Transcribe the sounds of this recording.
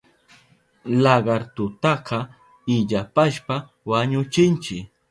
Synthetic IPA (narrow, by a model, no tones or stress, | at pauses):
lɑɢɑɾt̪ʊt̪ɑqɑ | ɪʎapaʃpa | waɲʊt͡ʃɪnt͡ʃɪk